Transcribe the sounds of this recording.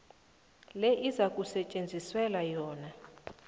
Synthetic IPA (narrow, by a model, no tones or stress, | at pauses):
lɛʔizakʼusɛt͡ʃʼend͡zʱiswɛlajɔːna